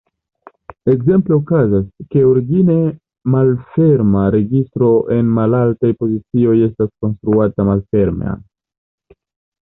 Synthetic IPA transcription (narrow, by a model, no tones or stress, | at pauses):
e̞kze̞mple̞okazaske̞oɾiɡine̞ | malfe̞ɾmaɾe̞ɡistɾo̞ʔe̞nmalaltajpo̞zit͡sio̞je̞stasko̞nst̪ɾuatamalfe̞ɾmḛa̰